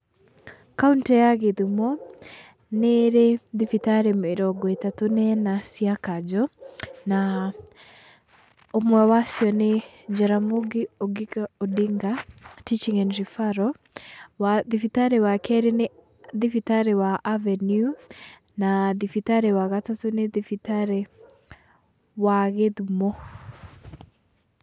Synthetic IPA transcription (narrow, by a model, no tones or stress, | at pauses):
kauntɛjaɣeðimɔ | neɾeðifitaɾemeɾɔɡɔetatonɛnasiakad͡ʒɔna | omwɛwasjɔne | d͡ʒaɾamoɡioɡikaodiŋɡatit͡ʃiŋɛnɾifaɾɔ | waðifitaɾɛwakɛɾene | ðifitaɾɛwaʔavɛnju | naðifitaɾɛwaɣatatoneðifitaɾɛ | waɣeðumɔ